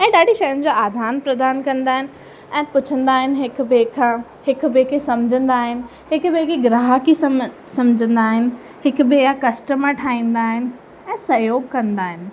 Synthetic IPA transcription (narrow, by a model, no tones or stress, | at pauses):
ɛ̃ːɗaːɖʱiʃɐjənd͡ʑoːaːd̪ʱaːnpɾɐd̪aːnkɐ̃nd̪aːɦɪnɪ̆ | ɛ̃ːpʊt͡ɕʰə̃nd̪aːɦɪnɪ̆ɦɪk̆bekʰã | hɪk̆bekʰesɐmd͡ʑʱə̃nd̪aːɦɪnɪ̆ | ɦɪkbekeɡɾaːɦaki | sɐmd͡ʑʱə̃nd̪aːɦɪnɪ̆ | hɪkʊbɪɦakɐsʈəməʈʰaːĩːn̆d̪aːɦɪnɪ̆ | ɛ̃ːsɐjoːɡkɐ̃nd̪aːɦɪnɪ̆